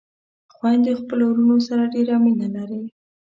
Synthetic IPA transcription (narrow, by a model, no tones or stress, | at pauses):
xwand̪xpəlowɾunosaɾaɖeɾamilalaɾe